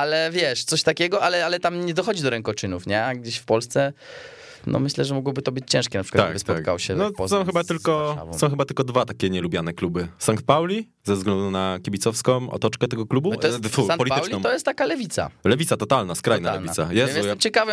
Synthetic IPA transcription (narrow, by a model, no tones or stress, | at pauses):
alɛvʲjɛʂt̪sɔɕt̪akʲɛɡɔʔalɛalɛt̪amɲɛd̪ɔxɔd͡ʑid̪ɔɾɛŋkɔt͡ʂɘnufɲɛaɡ̚d͡ʑeɕfpɔlst̪sɛ | nʔɔ̰mɘɕlɛʐɛmɔɡwɔbɘt̪ɔbɘt͡ɕt͡ɕɛ̃ʂkʲɛnapʂkaabesp̪ɔka̰wɕɛnɔpɔzsɔ̃w̃xɘbat̪ɘlkɔa̰sɔ̃w̃xɘbat̪ɘlkɔd̪vat̪akʲɛɲɛlubʲjanɛklubɘsant̪̚pawlʲi | zɛvzɡlɛnd̪unakʲibʲit̪sɔfskɔ̃m̃ɔ̰t̪ɔt͡ʂkɛt̪ɛɡɔklubuɔjfusanpɔlʲit̪wlʲinɔ̃t̪ɔjɛst̪t̪akalɛvʲit̪sa̰lɛvʲit̪sat̪ɔt̪alnaskɾajnalɛlnʲiasa̰jɛjɛst̪ɛmt͡ɕɛkavɛ